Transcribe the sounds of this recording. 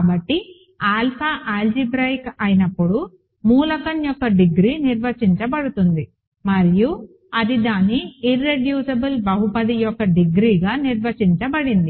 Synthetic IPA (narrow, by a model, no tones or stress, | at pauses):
kaːbɐʈːi | aːlpʰaʔaːld͡ʒibɾɐjkɐjinɐpːuɽu | muːlɐkɐnjɔkːɐɖiɡɾiːniɾʋɐt͡ʃiɲt͡ʃɐbɐɽut̪und̪i | mɐɾiju | ɐd̪id̪aːnːiːrːeɖjuːsɐbɐlbɐɦupɐd̪ijɔkːɐɖiɡɾiːɡaːniɾʋɐt͡ʃiɲt͡ʃɐbɐɽind̪i